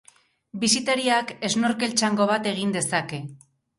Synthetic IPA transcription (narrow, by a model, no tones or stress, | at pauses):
bisit̪eɾiake̞zno̞ɾke̞lt͡ʃaŋɡo̞βat̪e̞ɣ̞ind̪e̞sake̞